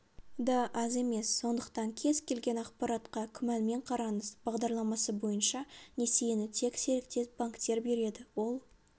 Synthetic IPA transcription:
d̪ɑʔɑze̞me̞sːo̞nd̪əqt̪ɑŋkʲʰe̞zkʲe̞lɡʲe̞nɑqpɑɾɑt̪qɑkʲʰʏmænme̞ɴqʰɑɾɑnəzbɑʁd̪ɑɾlˠɑmɑsəbo̞jənʃɑnʲe̞sejnɪt̪ʰe̞kse̞ɾɪkt̪e̞t̪baŋkt̪e̞ɾbe̞ɾe̞d̪ɪwo̞lˠ

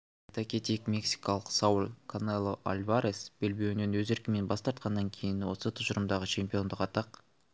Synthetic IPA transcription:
et̪akʲet̪ijkmʲe̞ksi̥kɑlˠəqsaulʲkʰonelˠoʔa̰lʲvaɾʲesb̥elbe̞wne̞nwɵze̞ɾkʲɪme̞nbɑst̪ɑɾt̪̚qɑnːɑŋkʲʰe̞jɪnwo̞sət̪ʰʊʒəɾəmd̪ɑʁət͡ʃʰe̞mpijo̞nd̪əqɑt̪ɑq

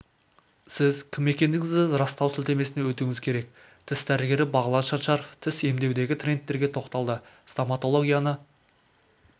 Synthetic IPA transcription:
sɪzkʲʰɪme̞kʲe̞nd̪ɪŋɪzd̪ɪɾɑst̪ɑwsɪlt̪e̞me̞sɪnewɵt̪uŋɪzkʲʰe̞ɾe̞k̚ | t̪ʰɪsd̪æɾɪɡʲe̞ɾɪbɑʁəlˠɑnʃɑnʃɑɾoft̪ʰɪse̞md̪e̞wd̪e̞ɡʲɪt̪ʰrʲe̞nt̪ːe̞ɾɡʲe̞t̪ʰo̞qt̪ɑlˠd̪ə | st̪omat̪o̞lˠo̞ɡʲijanə

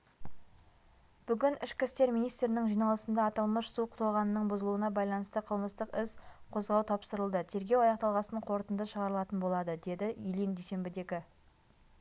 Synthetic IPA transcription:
b̥ʏɡʲɪnɪʃkʲɪst̪e̞ɾmijnijst̪ɾɪnɪŋʒijnɑlˠəsənd̪ɑːt̪ɑlˠməʃsuqʰʊ̥t̪oʁɑnənəɴbʊzəlˠuənɑbɑjlˠɑnəst̪əqʰəlˠməst̪əqɪsqʰo̞zʁɑwt̪ʰɑpsəɾəlˠd̪ət̪ʰe̞ɾɡʲe̞wɑjɑq̚t̪ɑlˠʁɑsəəɴqʰo̞ɾt̪ənd̪əʃəʁɑɾəlˠɑt̪ənbo̞lˠɑd̪əd̪e̞d̪ɪʔijlijnd̪ejse̞mbɪd̪ekʲɪ

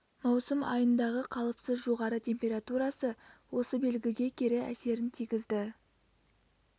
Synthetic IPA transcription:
mɑwsəmɑ̰jənd̪ɑʁəqʰɑlˠəpsəzʒo̞ʁɑɾət̪ʲʰe̞mpʲe̞ɾat̪uɾɑsəwo̞səbe̞lɡʲɪɡ̪ʲe̞kʲʰeɾɪæ̰se̞ɾɪnt̪ʰijɡʲɪzd̪ɪ

